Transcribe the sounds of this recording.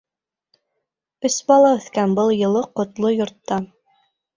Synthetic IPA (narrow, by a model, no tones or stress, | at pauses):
ɵsbɑlˠɑɵ̆θkænbɤlˠjɤ̆lˠɤqŏt̪lˠojŏɾt̪ːɑ